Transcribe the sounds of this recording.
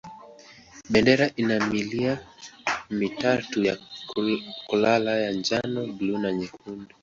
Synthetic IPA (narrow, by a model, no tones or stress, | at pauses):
ɓɛndɛɾaʔinamilia | mitatuja | kulalajand͡ʒanɔblunaɲɛkundu